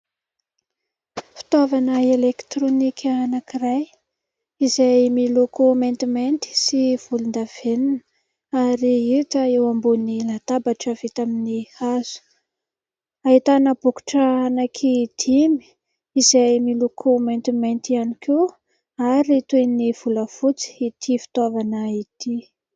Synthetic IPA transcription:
fi̥t̪avanəelekt̪ronikʲʰəːnakiraj | izajmilokomant̪imant̪i̥siv̥ulund̪av̥enin | aɾiit̪əewambonilat̪abaʈ͡ʂəv̥et̪aminihaz̥u̥ | aɦit̪anəbuku̥ʈ͡ʂəanakʰid̪̥imi̥ | izajmilokʰoment̪iment̪ianike | aɾit̪ueniv̥uləfut͡si̥it̪ʰifi̥t̪avanəit̪i

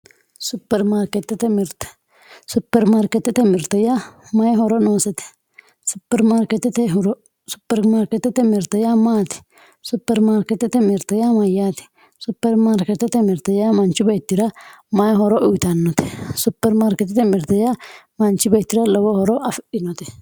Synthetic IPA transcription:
sʊpːɛɾmaːɾkɛt̪ːɛt̪ɛmɪɾt̪ɛ̥ | sʊpːɛɾmaːɾkɛt̪ːɛt̪ɛmɪɾt̪ɐjamɐjɛɦɔɾɔnoːsɛt̪ɛ̥ | sʊpːɛɾmaːɾkɛt̪ːɛt̪ɛɾ | sʊpːɛɾmaːɾkɛt̪ːɛt̪ɛmɪɾt̪ɐjamaːt̪ɪ̥ | sʊpːɛɾmaːɾkɛt̪ːɛt̪ɛmɪɾt̪ɐjamɐjaːt̪ɪ̥ | sʊpːɛɾmaːɾkɛt̪ːɛt̪ɛmɪɾt̪ɐjamɐnt͡ʃːɪbet̪ːɪɾɐ | mɐjɦɔɾɔʔʊjɪt̪ɐnːɔt̪ɛ̥sʊpːɛɾmaːɾkɛt̪ɛt̪ɛmɪɾt̪ɐja | mɐnt͡ʃːɪbet̪ːɪɾɐlɔwɔhɔɾɔʔɐfʔɪnɔt̪ɛ

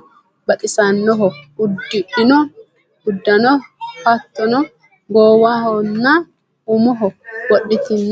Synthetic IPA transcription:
bɐɗɪsɐnːɔɦɔʊd̪ːɪʔɪnɔ | ʊd̪ːɐnɔpɐt̪ːɔnɔ | ɡoːwahɔnːa | ʊmɔɦɔwɔɗːɪt̪ɪnː

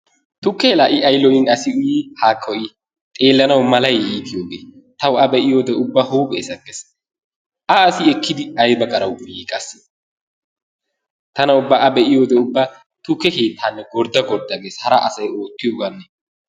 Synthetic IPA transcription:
t̪ʊkːɛlaːʔɪʔɐjlɔjɪnɐsɪʊjiːhaːkʰːɔʔi | t̪ʼe̞ːlːɐnɐwmɐlɐjiːt̪ʰɪjoːɡḛː | t̪ɐwɐbɛʔɪjo̞ːd̪ɛʊbːaːhuːpʼḛːsɐɡes | ʔɐːsɪɛkːɪd̪ɪɐjbɐkʼɐɾɐwjiːkʼɐs | t̪ɐnɐʊbːaːʔɐbɛʔɪjo̞ːd̪ɛʊbːaː | t̪ʊkːɛke̞ːt̪ʰːaːnːɛɡɔɾd̪ɐɡɔɾd̪ɐɡe̞ːshɐɾɐʔɐsɐjo̞ːt̪ːɪjoɡɐnːɛ

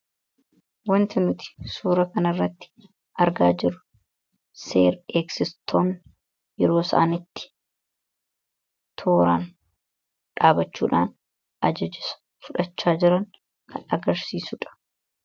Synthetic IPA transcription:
wɐnt̪ɪnʊt̪ɪ̥suːɾɐkɐnɐrːɐt̪ːɪ̥ | ʔɐɾɡa̰ːd͡ʒɪɾʊ̥ | sḛːɾeːksɪst̪ʰoːn | jɛɾo̞ːsɐ̰ʔaːnɪt̪ːɪ̥ | t̪ʰoːɾaːn | ᶑaːbɐt͡ʃːuːᶑaːn | ɐd͡ʒɐd͡ʒɪsɐ̥ | fʊᶑɐt͡ʃːaːd͡ʒɪɾɐŋ | kʰɐnɐɡɐɾsiːsʊᶑɐ̥

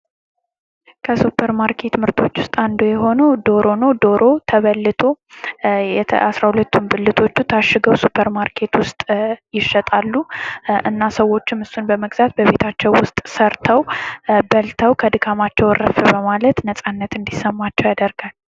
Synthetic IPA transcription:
kʰəsupʰːəɾmaɾkʰe̞t̪mɨɾt̪ʰo̞t͡ʃːwʊst̪ʼand̪ojɛɦo̞nəwd̪o̞ɾo̞nod̪o̞ɾʔo̞t̪ʰəβəlːɨt̪ʰo̞ | jɛasɾahulət̪ːumbɨlːɨt̪ʰo̞t͡ʃːut̪ʰaʃːɨɡəwsupʰːəɾmaɾkʰe̞t̪wʊst̪ʼjɪʃːət̪ʼalːuʔɨ̰nːasəwːo̞t͡ʃːɪmɨsunbəməɡzat̪̚bəβe̞t̪ʰat͡ʃːɛwwʊst̪ʼsəɾt̪ʰəwbəlt̪ʰəwkʰəd̪ɨkʰamat͡ʃːɛwrəfɨbəmalət̪nəsʼanːət̪ɨnd̪isəmːat͡ʃːɛwjad̪əɾɡal

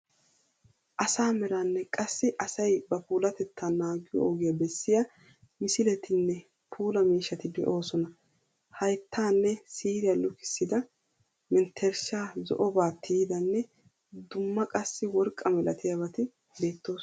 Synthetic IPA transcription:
ʔɐsaːmɛɾaːnːɛkʼɐsːɪʔɐsɐjbɐpuːlɐt̪ɛt̪ʰːanaːɡɪjɔ̰ɔɡɪjɐbɛsːɪja | mɪsɪlɛt̪ʰɪnːɛ | pʰuːlɐmiːʃːɐt̪ɪd̪ɛ̰ʔo̞ːsɔnɐ | hɐjt̪ʰːaːnːɛsiːɾɪjɐlɔkɪ̥sːɪd̪ɐ | mɪnt̪ʰːɛɾʃaːzɔ̰ʔɔbaːt̪ʰːijd̪ɐnːɛ | d̪ʊmːɐkʼɐsːɪwɔɾkʼːɐmɛlɐt̪ɪjaβɐt̪ɪ | be̞ːt̪ːo̞ːs

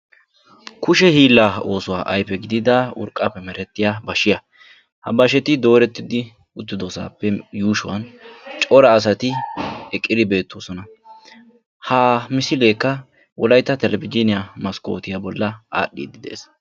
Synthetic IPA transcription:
kʊʃɛhiːlːaːo̞ːsʊwaːʔɐjpːɛɡɪd̪ɪd̪ɐʊ̰ɾkʼːɐpːɛmɛɾɛt̪ːɪjabɐʃɪjɐ | hɐbɐʃɛt̪ɪd̪o̞ːɾɛt̪ːɪd̪ɪ | ʊt̪ːɪd̪oːsa̰ːpːɛjuːʃʊwɐnt͡ʃʼɔɾɐːs̬ɐt̪ɪɛkʼːɪd̪ɪbe̞ːt̪ːoːsɔnɐ | haːmɪsɪle̞ːkːɐ | wʔɔlɐjt̪ːɐt̪ɛlɛbɪd͡ʒɪnɪjamɐsko̞̰ːt̪ɪjabɔlːɐʔa̰ːɗːḭːd̪ɪd̪e̞̰ːs

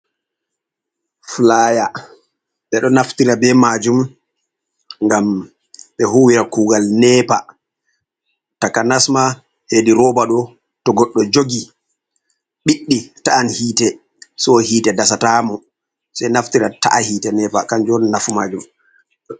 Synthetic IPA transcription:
flaːja | ɓɛɗɔnaftiɾabɛmaːd͡ʒum | ŋɡam | ɓɛɦuwiɾakuːɡalnɛpa | takanasma | hediɾɔbaɗɔ | tɔɡɔɗːɔd͡ʒoɡi | ɓiɗːitaanhiːtɛ | sɔhiːtɛdasataːmɔ | sɛjnaftiɾata̰ʔahiːtɛnɛːpakand͡ʒɔnnafumaːd͡ʒum

